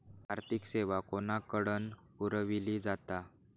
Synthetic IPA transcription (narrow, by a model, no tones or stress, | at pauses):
bʱaɾt̪ikseʋakonakəɽən | uɾəʋiliːd͡zat̪a